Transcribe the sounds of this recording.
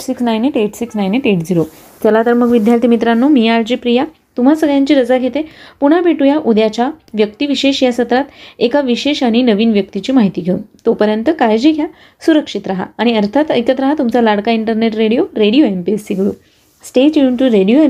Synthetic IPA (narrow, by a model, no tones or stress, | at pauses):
siksnajneʈeʈsiksnajneʈeʈd͡ziɾo | t̪jalat̪əɾməɡʋid̪ʱjaɾt̪imit̪ɾanːomijaɾd͡ʑiːpɾija | t̪um̤asəɡɭjãɲt͡ɕiːɾəd͡zaɡʱet̪epuɽ̤̃abeʈujaʔud̪jat͡ɕaʋjək̚t̪iʋiɕeɕjasət̪ɾat̪ekaʋiɕeɕaɽ̃inəʋiːnʋjək̚t̪it͡ɕiːmaɦit̪iːɡʱeṵnt̪opəɾjənt̪əkajd͡ʑiːɡʱja | suɾəkʂit̪ɾaɦa̰ːɽ̃iəɾt̪ʰat̪ə̰jkət̪ɾaɦat̪umt͡salaɽkaiɳʈəɾneʈɾeɽijoɾeɽijoempesːiɡɭṵː | sʈet͡ɕjuɳʈuɾeɽijoe